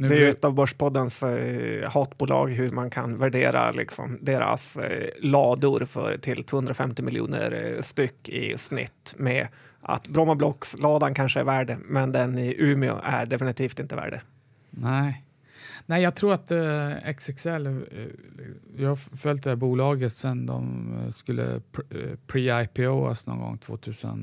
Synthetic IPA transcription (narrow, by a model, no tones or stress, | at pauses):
d̪ɛæɾjɛt̪ːɑvbœʂpʰɔd̪ːəns | hɑːt̪buːlɑ̰ːɡɦɵɾmankʰanvæɖeːɾa̰lɪksɔ̰md̪eːɾa̰slɑːd̪ʊɾfœ̰ɾʈʰɪlt̪ʰoːhɵnd̪ɾafɛmt̪ɪmɪljṵːnə̰ɾst̪ʏkːɪ̰snɪ̰t̪ːmɛ | ʔa̰t̪bɾɔmablɔkslɑːd̪ankʰanʂəæɾvæːɖəmɛnd̪ɛnɪʔʉːmɪʊ̰ʔæɖɛfɪnɪt̪ʰiːft̪ɪnt̪əvæ̰ːɖə | næɪ | næɪjɑːɡ̚t̪ʰɾuːɾat̪ɛksɛksɛlː | jɑhafœlʲt̪̚d̪ɛhæːbuːlɑːɡət̪sɛnd̪ɔ̰mskɵlːə̰ | pʰɾiːajpʰɛoːa̰snoṵːŋɡɔ̰ŋːt̪ʰv̥o̰ːt̪ʰʉ̟ːsə̰n